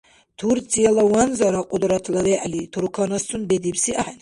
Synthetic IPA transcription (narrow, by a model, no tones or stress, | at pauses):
t̪ʰuɾt͡sʰʼijalawanzaɾaqʼud̪ɾat̪ʰlad̪ɛʔlit̪ʰuɾkʰɔnast̪ʰunbɛd̪ipsiʔaħɛn